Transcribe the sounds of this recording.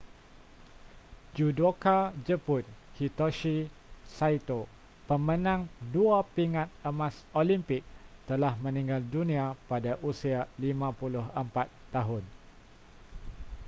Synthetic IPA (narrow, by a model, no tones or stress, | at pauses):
d͡ʒudokad͡ʒəpʊnhit̪oʃi | sajt̪o | pəmə̃nãŋduapiŋat̪̚əmãsolimpɪk̚t̪əlahmə̃nĩŋɡaldunĩapadaʔusialimãpulʊɦəmpat̪ːaɦʊn